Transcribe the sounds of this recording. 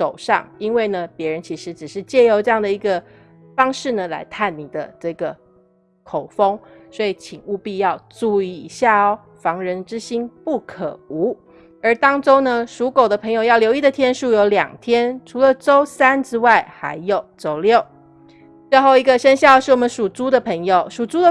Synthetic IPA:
ʂo˨˩ʊʂɑ̰˥˨ŋi˥nwe˥˩ɪnə˩pjɛ˧˥ɻə˧˦nt͡ɕʰi˧˥ʂɻ̩˧˥ʈ͡ʂɻ̩˨˩ʂɻ̩˥˧t͡ɕjɛ˥˩jo˧ʊʈ͡ʂɤ˥˧jɑ˥˩ŋd̪ə˩i˧˥ɡə˧˨ | fɑ˥ŋʂɻ̩˥˩nə˩la̰˧˥ɪt̪ʰa˥˩nni˨˩d̪ə˦ʈ͡ʂɤ˥˩ɡə˩ | kʰo˨˩ʊfo˥ŋswɔ˧˥i˨˩t͡ɕʰi˨˩ŋu˥˧pi˥˧jɑ˥˧ʊʈ͡ʂu˥˧i˧˩i˧˥ɕja˥˩ɔ˨˩ | fɑ˧˥ŋɻə˧˥nʈ͡ʂɻ̩˥ɕi˥npu˥˩kʰə̰˨˩u˧˥ | ə˞˧˥t̪ɑ˥ŋʈ͡ʂo˥ʊnə˨ʂu˧˥ko˨˩ʊd̪ə˦pʰɤ˧˥ŋjo˨ʊjɑ˥˩ʊljo˧˥ʊi˥˩d̪ə˩t̪ʰjɛ˥nʂu˥˩jo˧˥ʊljɑ̰˨˩ŋt̪ʰjɛ˥nʈ͡ʂʰu˧˥lə˨ʈ͡ʂo˥ʊsa˥nʈ͡ʂɻ̩˥wa˥˩ɪxa̰˧˥ɪjo˨˩ʊʈ͡ʂo˥ʊljo˥˨ʊ | t͡swe˥˧xo˥˩ʊi˧˥ɡə˨˧ʂə˥nɕjɑ˥˧ʂɻ̩˥˩wɔ˨˩mə˧˦nʂu˨˩t͡su˥d̪ə˨pʰə˧˥ŋjo˨˩ʊʂu˨˩t͡su˥d̪ə˨

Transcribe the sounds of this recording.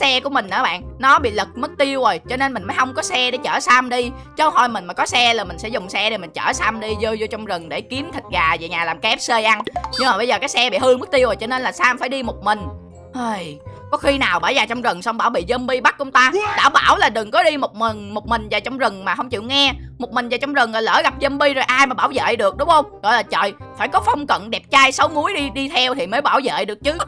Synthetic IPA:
sɛ˧ku˧˩əmi˨˩ŋ̟ʔə̰ː˧˩˦ɓa̰ː˧˨nnɔ˨˦ɓḭ˧˨lɨ˨˩k̚mɨ˦˥k̚t̪i˧əwzo˨˩jt͡ɕɔ˧ne˧nmï˨˩ŋ̟mə˨˦jhə˧wŋ͡mkɔ˨˦sɛ˧ɗe˧˩t͡ɕə̰ː˧˩sa˧mɗi˧ | t͡ɕə˨˦whɔ˧˩jmï˨˩ŋ̟maː˨˩kɔ˨˦sɛ˧laː˨˩mï˨˩ŋ̟sɛ̰˧˥zʊ˨˩ŋ͡msɛ˧ɗe˨˩mï˨˩ŋ̟t͡ɕə̰ː˧˩sa˧mɗi˧zəː˧jzo˧t͡ɕɔ˧wŋ͡mzə˨˩ŋɗe˧˩ki˨˦əmt̪ʰï̟˨˩ɣaː˨˩ve˨˩ɲaː˨˩laː˨˩mkɛ˦˥p̚sə˧jʔa˧nɲɨ˧ŋmaː˨˩ɓə˧jzəː˨˩kaː˨˦jsɛ˧ɓḭ˧˨hɨ˧mɨ˦˥k̚t̪i˧əwzoː˨˩jt͡ɕɔ˧ne˧nlaː˨˩saː˧mfaː˧˩jɗi˧mo˨˩k͡p̚mï˨˩ŋ̟ | ʔəː˧˩jkɔ˨˦xi˧naː˨˩wɓaː˧˩jzaː˨˩t͡ɕɔ˧wŋ͡mzə˨˩ŋswŋ͡mɓaː˧˩wɓḭ˧˨zə˧mɓi˧ɓa˦˥k̚kwŋ͡mt̪aː˧ɗa̰ː˧˩ɓaː˧˩wlaː˨˩ɗɨ˨˩ŋkɔ˨˦ɗi˧mo˨˩k͡p̚mi˨˩ŋmo˨˩k͡p̚mï˨˩ŋ̟zaː˨˩t͡ɕɔ˧wŋ͡mzə˨˩ŋmaː˨˩ɦə˧wŋ͡mt͡ɕḭ˧˨əwŋɛ˧mo˨˩k͡p̚mi˨˩ŋ̟zaː˨˩t͡ɕɔ˧wŋ͡mzə˨˩ŋlɔː˨˩jlə̰ː˧˩ɣa˨˩p̚zə˧mɓi˧zo˨˩jʔaː˧jmaː˨˩ɓaː˧˩wzə̰ː˧˨ɗɨ˨˩ək̚ɗʊ˨˦ŋ͡mxə˧wŋ͡mɣɔ̰˧˨jlaː˨˩t͡ɕə̰ː˧˨j | faː˧˩jkɔ˨˦fɔ˧wŋ͡mkə̰˧˨nɗɛ˨˩p̚t͡ɕaː˧jsə˨˦wmu˨˦əjɗi˧ɗi˧t̪ʰɛ˧wt̪ʰi˨˩məː˨˦jɓaː˧˩wzə̰ː˧˨ɗɨ˨˩ək̚t͡ɕɨ˨˦

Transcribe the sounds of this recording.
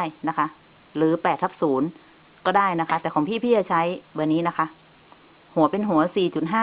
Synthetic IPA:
jna˦˥kʰa˦˥ | ɾɯː˩˦pɛː˨˩t̪ʰːa˦˥p̚suː˩˦n | kɔː˥˩daː˥˩jna˦˥kʰa˧˥t̪ɛː˨˩kɔː˩˦ŋpʰiː˥˩pʰiː˥˩a˧˩t͡ɕʰa˦˥jbɯː˧˩niː˦˥na˦˥kʰa˦˥ʔ | hu˨˩˦ɐpe˧nɦu˩˦ɐsiː˨˩t͡ɕu˨˩t̪̚ɦaː˥˩

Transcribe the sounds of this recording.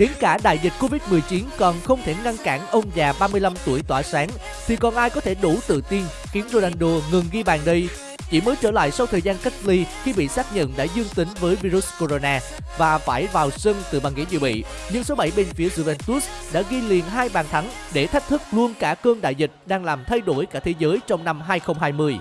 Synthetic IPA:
ɗe˨˦nkaː˧˩ɗa̰ː˧˨jzi̟˨˩ko˧vi˦˥t̚mɨ˨˩əjt͡ɕi˨˦nkɔ˨˩nxə˧wŋ͡mt̪ʰe˧˩ŋa˧nkaː˧˩nʔə˧wŋ͡mzaː˨˩ɓaː˧mɨ˧əjla˧mt̪u˧˩əjt̪waː˧˩saː˨˦ŋ | t̪ʰi˨˩kɔ˨˩nʔaː˧jkɔ˨˦t̪ʰe˧˩ɗu˧˩t̪ɨ̰˧˨t̪i˧n | xi˨˦ənzo˧˩ʔa˧˨˩nɗo˧˩ŋɨ˨˩ŋɣi˧ɓaː˨˩nɗə˧j | t͡ɕḭ˧˩məː˨˦jt͡ɕəː˧˩la̰ː˧˨jsa˧wt̪ʰəː˨˩jzaː˧nka˦˥k̚li˧xi˧ɓḭ˧˨saː˦˥k̚ɲə̰˧˨nɗa̰ː˧˥zɨ˧əŋt̪ï˨˦ŋvəː˨˦jvi˧ɾu˦˥sko˧zo˧naː˧ | vaː˨˩faː˧˩jvaː˨˩wsə˧ŋt̪ɨ˨˩ɓaː˨˩ŋḭ˧˥zḭ˧˩ɓḭ˧˨ | ɲɨ˧ŋso˨˦ɓa˧˩jɓe˧nfi˨˦əzu˧vɛ˧nt̪u˦˥sɗa̰ː˧˥ɣi˧lḭ˨˩ənɦaː˧jɓaː˨˩nt̪ʰa˨˦ŋɗe˧˩t̪ʰa˦˥jk̚t̪ʰɨ˦˥k̚lu˧ənkaː˧˩kəː˧ŋɗa̰ː˧˨jzï˨˩k̟̚ɗaː˧ŋlaː˨˩mt̪ʰa˧jɗo˧˩jkaː˧˩t̪ʰe˨˦zəː˨˦jt͡ɕɔ˧wŋ͡mna˧mɦaː˧jxə˧wŋ͡mɦaː˧jmɨ˧əj

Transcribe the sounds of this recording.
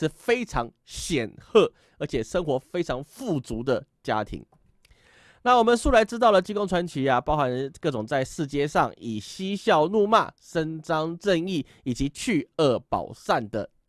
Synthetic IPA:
ʂɻ̩˥˩fe˥ɪʈ͡ʂʰɑ˧˥ŋ | ɕjɛ˨˩nxɤ˥˩ | ə˞˧˥t͡ɕʰjɛ˨˩ʂə˥ŋxwɔ˧˥fe˥ɪʈ͡ʂʰɑ˧˥ŋfu˥˩t͡su˧˥d̪ə˨t͡ɕja̰˦t̪ʰḭ˧˥˦ŋ | na˥˩wɔ˨˩mə˨nʂu˥la˧˥ɪʈ͡ʂɻ̩˥t̪̬ɑ˥˩ʊlə˨˩t͡ɕi˥ko˥ŋʈ͡ʂʰwa˧˦nt͡ɕʰi˨˥a˨pɑ˥ʊxa˧˦nkɤ˥˩ʈ͡ʂʊ˨˩ŋt͡sa˥˧ɪʂɻ̩˥˧t͡ɕjɛ˥˧ʂɑ̰˥˩ŋi˨˩ɕi˥ɕjɑ˥˧ʊnu˥˧ma̰˥˩ʂə˦nʈ͡ʂɑ˥ŋʈ͡ʂə˥˧ŋi˥˩ | i˨˩t͡ɕi˨˦t͡ɕʰy˥˧ə˥˩pɑ̰˨˩ʊsa˥˩nd̪ə̰˩

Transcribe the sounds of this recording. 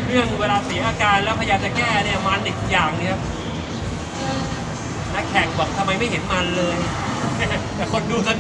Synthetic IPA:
ɾɯ˥˩əŋ˧weː˧laː˧si˩˦ʔaː˧kaː˧nlɛ˦˥wpʰa˧jaː˧mt͡ɕa˨˩kɛː˥˩˧ni˦˩˨maː˦˥ndi˨˩kːk̚jaː˨˩ŋni˦˥˧ | na˦˥kʰːɛː˨˩k̚bɔ˨˩k̚t̪ʰa˧mːa˧jma˥˩jɦe˩˦nma˧nlɤː˧j | na˥˩n˥˩t̪ɛː˨˩kʰo˧nduː˧ka˧n

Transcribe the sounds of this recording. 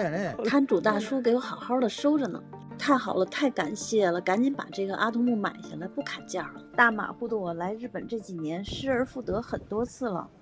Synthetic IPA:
t̪ʰa˥nʈ͡ʂu˨˩t̪a˥˩ʂu˥k̬e˧˥ɪjo˧˥xɑ˨˩ʊxɑ˥d̪ə˨ʂo˥ʊʈ͡ʂə˨˩nə̰˨˩ | t̪ʰa˥˩ɪxɑ˨˩ʊlə˦t̪ʰa˥˩ɪka˨˩nɕjɛ˥˩lə˩ka˧˥nt͡ɕi˧˥npa̰˨˩ʈ͡ʂɤ˥˩ɡə˩ʔa˥t̪ʰʊ˧˥ŋmu˥˩ma̰˨˩ɪɕja˥˩la˧˥ɪpu˥˩kʰa˨˩nt͡ɕjɑ˥˩ɹə˩t̪a˥˩ma̰˨˩xu˥˩d̪ə˧˩wɔ˨˩la˧˥ɪɻɻ̩˥˩pə˨˩nʈ͡ʂɤ˥˩t͡ɕi˨˩njɛ˧˥nʂɻ̩˥ə˞˧˥fu˥˩t̪ɤ˧˥xə˨˩nt̪wɔ˥t͡sʰɹ̩˥˩lə̰˩

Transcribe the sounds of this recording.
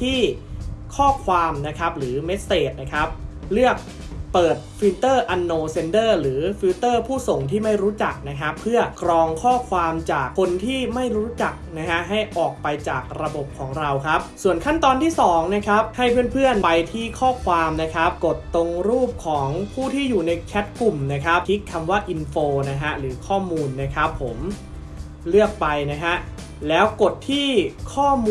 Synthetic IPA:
t̪ʰiː˥˩kʰɔː˥˩kʰwaː˧mna˦˥kʰa˦˥p̚ɾɯː˩˦me˦˥t̪̚seː˨˩t̪̚na˦˥kʰa˦˥p̚ | lɯ˥˩ək̚ | pɤː˨˩t̪̚fi˧˥t̪ɤː˥˩ʔa˧nːoː˧se˧ndɤː˥˩ɾɯː˩˦fiː˦˥t̪ɤː˥˩pʰuː˥˩so˨˩ŋt̪ʰiː˥˩ma˥˩jɾuː˦˥t͡ɕa˨˩k̚na˦˥kʰa˦˥pʰːɯ˥˩ɐkɾɔː˧ŋkʰɔː˥˩kʰwaː˧mt͡ɕaː˨˩kʰo˧nt̪ʰiː˥˩ma˥˩jɾuː˦˥t͡ɕa˨˩k̚na˦˥kʰa˦˥ʔɦa˥˩jʔɔː˨˩k̚pa˧jt͡ɕa̰ː˨˩k̚ɾa˧bo˨˩p̚kʰɔː˩˦ŋɾa˧wkʰa˦˥p̚su˨˩ənkʰa˥˩nt̪ɔː˧nt̪ʰiː˥˩sɔː˩˦ŋna˦˥kʰa˦˥p̚ha˥˩jpʰɯː˥˩ənpʰɯ˥˩ənpa˧jt̪ʰiː˥˩kʰɔː˥˩kʰwaː˧mna˦˥kʰa˦˥p̚ko˨˩t̪ːo˧ŋɾuː˥˩p̚kʰɔː˩˦ŋpʰuː˥˩t̪ʰiː˥˩juː˨˩na˧jkʰɛ˦˥t̪̚klu˨˩mna˦˥kʰa˦˥p̚tʰi˦˥kʰːa˧mwaː˥˩ʔi˧nfoː˧na˦˥kʰa˦˥ɾɯː˩˦kʰɔː˥˩muː˧nːa˦˥kʰa˦˥pʰːo˩˦m | lɯ˥˩ək̚pa˧jna˦˥kʰa˦˥ʔ | lɛː˦˥wko˨˩t̪ʰːiː˥˩kʰɔː˥˩mː

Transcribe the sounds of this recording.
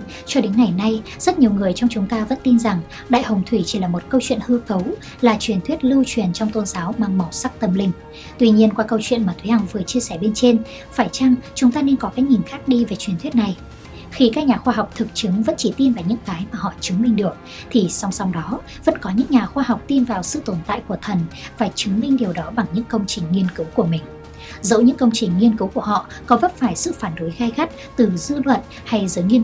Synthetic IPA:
t͡ɕɔ˧ɗe˨˦nŋa˨˩jna˧j | zə˦˥t̚ɲi˨˩əwŋɨ˨˩əjt͡ɕɔ˧wŋ͡mt͡ɕʊ˨˦ŋ͡mt̪aː˧və̰˧˥nt̪i˧nza˨˩ŋ | ɗa̰ː˧˨jhə˨˩wŋ͡mt̪ʰwi˧˩t͡ɕi˧˩laː˨˩mo˨˩t̚kə˧wt͡ɕwḭ˧˨ənhɨ˧kə˨˦w | laː˨˩t͡ɕwi˨˩ənt̪wi˦˥ət̚lɨ˧wt͡ɕwi˨˩ənt͡ɕɔ˧wŋ͡mt̪o˧nzaː˨˦wɓa˨˧˩ŋmə˨˩wsa˦˥k̚t̪ə˨˧˩mlï˧˩ŋ̟ | t̪wi˧ɲi˧ənkwaː˧kə˧wt͡ɕwḭ˧˨ənmaː˨˩t̪ʰwha˨˧˩ŋvɨ˨˩ət͡ɕi˧əsɛ˧˩ɓe˧nt͡ɕe˧n | faː˧˩jt͡ɕa˧ŋt͡ɕʊ˨˦ŋ͡mt̪aː˧ne˧nkɔ˨˦kaː˨˦jɲi˨˩ŋ̟xaː˦˥k̚ɗi˧ve˨˩t͡ɕwi˨˩ənt̪ʰi˦˥t̚na˨˩j | xi˧kaː˦˥k̚ɲaː˨˩xwaː˧ɦa˨˩wk͡p̚t̪ʰɨ˨˩k̚t͡ɕɨ˨˦ŋvə̰˧˥nt͡ɕi˧˩t̪i˧nvaː˨˩ɲɨ̰˧˥ŋkaː˨˦jmaː˨˩ɦɔ̰˧˨t͡ɕɨ˨˦ŋmï˧ŋ̟ɗɨ˨˩ək̚ | t̪ʰi˨˩sa˧wŋ͡msa˧wŋ͡mɗɔ˨˦ | və̰˧˥nkɔ˨˦ɲɨ̰˧˥ŋɲaː˨˩xwaː˧ha˨˩wk͡p̚t̪i˧nvaː˨˩wsɨ̰˧˨t̪o˧˩nt̪a̰ː˧˨jku˧˩ət̪ʰə˨˩nvaː˨˩t͡ɕɨ˨˦ŋmï˧ŋ̟ɗi˨˩əwɗɔ˨˦ɓa˨˩ŋɲɨ̰˧˥ŋkə˧wŋ͡mt͡ɕï˨˩ŋ̟ŋi˧ənkɨ˨˦wku˧˩əmï˨˩ŋ̟ | zə̰o̰˧˥wɲɨ̰˧˥ŋkə˧wŋ͡mt͡ɕï˨˩ŋ̟ŋi˧ənkɨ˨˦wku˧˩əɦɔ̰˧˨ | kɔ˨˦və˦˥t̚faː˧˩jsɨ̰˧˨faː˧˩nɗo˨˦jɣaː˧jxa˦˥k̚t̪ɨ˨˩zɨ˧lwə̰˧˨n | ha˧jzɨː˨˦jŋi˧

